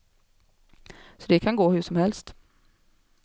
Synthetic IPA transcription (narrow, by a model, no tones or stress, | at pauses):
sɔd̪ɛkʰanɡoːhɵʂɔmhɛlst̪